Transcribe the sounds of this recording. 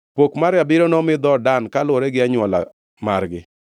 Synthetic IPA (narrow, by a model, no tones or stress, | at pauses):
pokmaɾjabɪɾonɔmɪd̪ɔdankalwɔɾɛɡɪaɲwɔla̰ | marɡɪ̰